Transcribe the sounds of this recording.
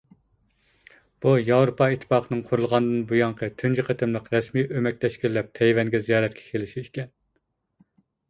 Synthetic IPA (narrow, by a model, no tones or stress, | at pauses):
b̥ujɑwɾupʰɑit̪ʰːɨ̥pɑːqʰənɨŋqʰʊɾulˠʁɑnd̪ɨnbujɑŋqʰət̪ʰynd͡ʒyqʰət̪ʰɨmlˠəqɾɛsmijʔømɛk̚ʲt̪ʰɛʃkʲilːɛp̚t̪ʰɛjvɛnɡʲɛzijɑːɾɛt̪̚kʲʰɛ̥kʲʰelɪʃiikʲʰɛn